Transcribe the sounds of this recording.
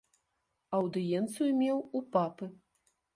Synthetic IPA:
ɐwd̪ɨjɛnt̪sɨjumʲɛwupapɨ

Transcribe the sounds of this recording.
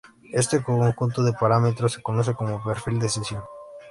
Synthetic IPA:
est̪ekokoŋxunt̪oðepaɾamet̪ɾose̥konos̬ekomopeɾfild̪esesjoŋ

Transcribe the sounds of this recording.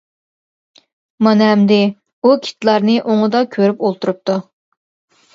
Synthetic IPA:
mɑnɛmd̪ɪ | ukʲʰi̥t̪ʰlˠɑɾnɨʔoŋɨd̪ɑkʲʰøɾypolˠt̪uɾup̚t̪ʰu

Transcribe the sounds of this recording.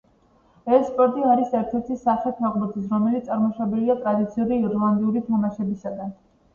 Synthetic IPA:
ɛssːpʼɔɾt̪ʼiaɾisɛɾt̪ʰɛɾt̪ʰisaχɛt̪ʰaʁʼbɔt̪ʰis̬ɾɔmɛlit̪ʼaɾmɔʃabɛliat̪ʼɾad̪it̪sʰiuɾiːɾlˠand̪iuɾit̪ʰamaʃɛbisaɡan

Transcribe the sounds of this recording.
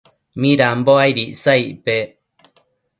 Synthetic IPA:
mĩɾamboajɾiʔsaiʔpe

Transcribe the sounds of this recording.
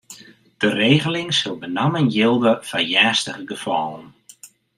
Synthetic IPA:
d̥əreːɣəlɪŋsʊlˠbənamənjɪlˠdəfajɛːstəχəɡəfɔlˠən

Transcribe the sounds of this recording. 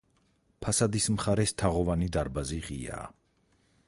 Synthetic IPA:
pʰasad̪ismχaɾɛst̪ʰaʁɔvanid̪aɾbaziʁia̰ː

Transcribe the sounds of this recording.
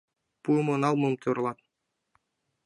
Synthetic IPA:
pumonɑlˠmumt̪ʰuɾlˠɑt̪̚

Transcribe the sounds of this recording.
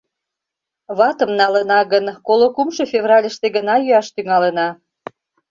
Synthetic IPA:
βɑt̪əmnɑlənɑɣənkolokumʃɤfʲevrɑlʲəʃt̪eɣənɑjyɑʃt̪yŋɑlənɑ

